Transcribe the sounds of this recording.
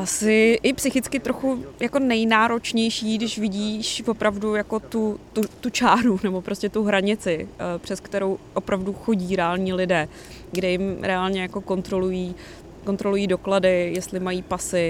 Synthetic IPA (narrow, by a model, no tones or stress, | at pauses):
ʔasɪʔɪpsɪxɪt͡skɪt̪ɾʔo̞xujako̞nɛjnaːɾo̞t͡ʃɲɛjʃiːɡdɪʃvɪɟiːʃvo̞pɾavdujako̞t̪ut̪ut̪ut͡ʃaːɾunɛbo̞pɾo̞scɛt̪uɦɾaɲɪt͡sɪpr̝̥ɛskt̪ɛɾo̞wʔo̞pɾavduxo̞ɟiːɾɛaːlɲiːlɪdɛː | ɡdɛjɪmɾɛalɲɛjako̞ko̞nt̪ɾo̞lujiː | ko̞nt̪ɾo̞lujiːdo̞kladɪjɛst̪lɪmajiːpasɪ